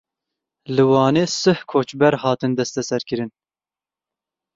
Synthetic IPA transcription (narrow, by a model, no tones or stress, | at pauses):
lɨwɑːneːsɨhkʰoːt͡ʃbɛɾhɑːt̪ɨnd̪ɛst̪ɛsɛɾkɨɾɨn